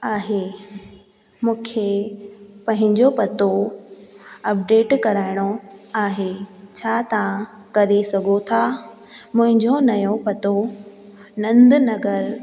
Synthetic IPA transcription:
aːɦe | mũːkʰe | pɐ̃ɦɪ̃ɲd͡ʑopɐt̪o | ɐp̚ɖeːʈkɐɾaːɪɽ̃oaːɦet͡ɕʰaːt̪ɐʋã | kɐɾesɐɡʱot̪ʰa | mʊ̃ɦɪ̃ɲd͡ʑonɐjõpɐt̪o | nɐ̃nd̪nɐɡəɾ

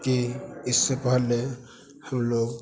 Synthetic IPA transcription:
kiɪsːepəɦəlːe | həmloːɡ

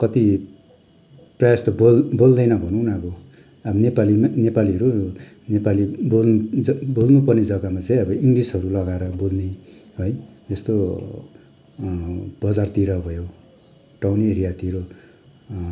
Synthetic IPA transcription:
kʌt̪i | prʌjast̪ʌbolbold̪ʌjnʌbʱʌnũnʌbʌ | abʌnepalimnepaliɦʌɾu | nepaliboʌbolnupʌrned͡zʌɡamat͡saĩʌbʌiŋɡlisɦʌɾulʌɡaeɾʌbolneɦojd͡zʌst̪o | b̥ʌd͡zart̪iɾʌbʱʌjo | ʈawniɾijat̪iɾo

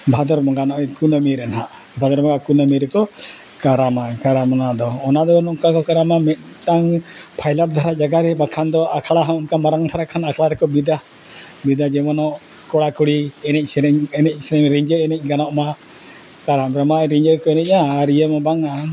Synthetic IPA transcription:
bʱad̪ɔɾmɔŋɡanɔʔɛkunəmiɾɛnɦaʔ | bʱad̪ɔɾmɔŋɡakunəmiɾɛkɔ | kaɾamakaɾamɔnad̪ɔːnad̪ɔnɔʔkakɔkaɾamamɛt̪̚ˀʈaŋpʰajlaɾd̪ʱaɾad͡ʒaɡaɾɛbakʰand̪ɔʔakʰaɽaɦaɔnkamaɾaŋd̪ʰʱaɾakʰanakʰɭaɾɛkɔbid̪a | bid̪ad͡ʒɛmanɔʔ | kɔɽakuɽiɛnɛc̚ˀsɛɾɛɲɛnɛc̚ˀsɛɾɛɲɾiɲd͡ʒəɾɛnɛc̚ɡanɔʔma | kaɾamɾamaɾiɲd͡ʒəɾkɔɛnɛc̚aːɾijəmabaŋa

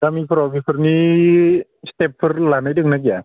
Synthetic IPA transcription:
kamiːpʰɾɔkipʰərni | st̪ep̚fʰɯrlanajdɯŋnak̬a

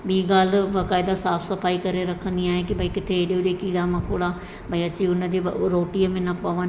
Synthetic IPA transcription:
ɓiːɡaːl̤ʋɐkaːɪd̪asaːpʰsɐfaːikɐɾeɾɐkʰə̃nd̪iaːɦekibʱɐikɪt̪ʰeːɗijod͡ʑekiːɽamɐkʰoːɽaː | bʱɐiɐt͡ɕiʊnəd͡ʑeɾoːʈiəmẽnɐpɐʋən

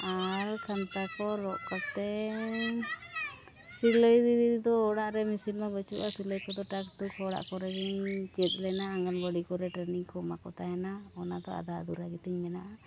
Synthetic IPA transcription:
aɾkʰant̪akɔɾɔʔkɔp̚t̪ɛ | siləjd̪id̪id̪id̪ɔːɽaʔɾɛmisinmabɔt͡ʃuʔasiləjkɔd̪ɔʈak̚ʈukʰɔɽa̰ʔkɔɾɛbiɲt͡ʃɛt̪̚ˀlɛnaːŋɡanɡɔɽikɔɾɛʈɾɛniŋkɔmakɔt̪ʰajɛnaɔnad̪ɔa̰d̪ad̪uɾaɡit̪iɲmɛnaʔa

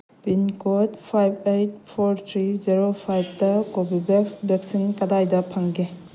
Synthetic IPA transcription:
pinkotpʰajbejt̚pʰoɾt̪ʰɾiziɾopʰajb̚tɐkobibeksbek̚sinkɐdajdɐpʰaŋɡe

